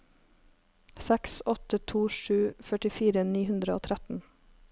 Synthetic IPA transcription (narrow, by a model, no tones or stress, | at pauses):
sɛksɔt̪ət̪ʰuːʃʉːfœʈɪfiːɾəniːhʉnd̪ɾəo̰ːt̪ʰɾæt̪n̩